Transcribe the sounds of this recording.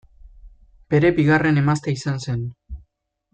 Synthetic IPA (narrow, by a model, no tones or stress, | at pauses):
b̥e̞ɾe̞biɣare̞ne̞mast̪eisanse̞n